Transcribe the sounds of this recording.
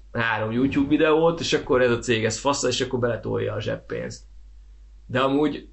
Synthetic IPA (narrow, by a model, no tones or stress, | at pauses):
haːɾo̞mjuːcuːbvid̪ɛoːt̪eːʃɒkːo̞ɾɛzɒt̪seːɡɛsfɒsɒeːʃɒkːo̞rbɛlɛt̪o̰jɒːʒɛ̰pːḛːnst̪ | d̪ɛɒmuːɟ